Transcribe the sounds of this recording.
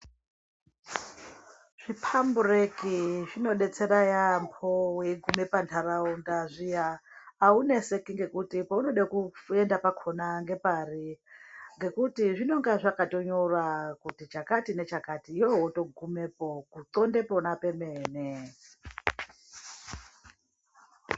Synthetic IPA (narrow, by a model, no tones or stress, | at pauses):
ʐ̥ipʰamburekiʐino̞ɗe̞t͡se̞ɾajampʰoweiɡʱume̞pantʰaɾaundaʐijaːune̞se̞kiŋɡe̞kutipauno̞ɗakue̞ndapakʰo̞naŋɡe̞pari | ŋɡe̞kutiʐino̞ŋɡaʐakato̞ɲo̞rakutit͡ʃakatine̞t͡ʃakatijoɦoto̞ɡʱumepokuǀo̞nde̞po̞nape̞meːne